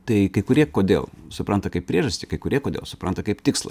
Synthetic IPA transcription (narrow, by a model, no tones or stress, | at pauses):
t̪ɐɪkɐɪkʊɾʲiɛkoːd̪ʲḛːlˠsʊpɾɐnt̪ɐkɐɪp̚pʲɾʲiɛʒɐsʲt̪ʲɪkɐɪkʊɾʲiɛkoːd̪ʲḛːlˠsʊpɾɐnt̪ɐkɐɪpt̪ʲɪkslˠɐ̰